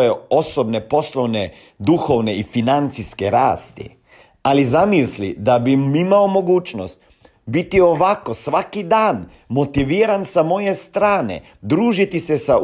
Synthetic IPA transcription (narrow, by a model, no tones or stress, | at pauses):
jeo̞sobne̞po̞slˠoʋne | d̪uxo̞ʋne̞ifinant̪siske̞ɾaːst̪ḭ | alizamislid̪abimimaomo̞ɡuːt͡ʃnost̪ | bit̪io̞ʋako̞sʋakid̪aːn | mo̞t̪iʋiːɾansamo̞je̞st̪ɾaːnḛ | d̪ɾuːʒit̪isesa